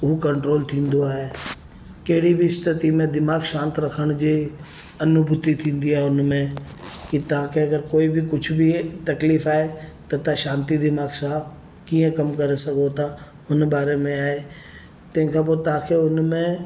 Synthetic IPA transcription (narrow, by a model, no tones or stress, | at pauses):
ʊɦukɐ̃ɳʈɾoːlt̪ʰĩːnd̪oaːɦeː | kɐɦɪɽibʱist̪ʰɪt̪imẽd̪ɪmaːɡʃãːnt̪ɾɐkʰəɽ̃d͡ʑi | ɐnʊbʱʊt̪it̪ʰĩːnd̪iaːɦeʊnmẽ | kit̪ɐɦãkʰeɐɡəɾkoːibʱikʊt͡ʃʰbʱit̪ɐkliːfaːɦet̪ɐt̪aʃãːnt̪id̪ɪmaːɡsaːb | kiːə̃kɐmkɐɾesɐɡot̪a | ʊnbaːɾemẽaːɦe | t̪ɐ̃ɦɪ̃kʰãbot̪ãkʰeʊnmẽ